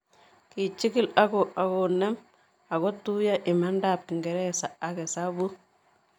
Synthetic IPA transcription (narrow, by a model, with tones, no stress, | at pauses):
ki˨t͡ʃi˦ki˦la˦ko˨ʔa˨ko˨nɛ˦m | a˨ko˦tu˦ja˦ʔɪ˨ma˦ndaː˨p̚ki˨ŋɡɛ˨ɾɛ˦saː˨ke˨sa˦bu˦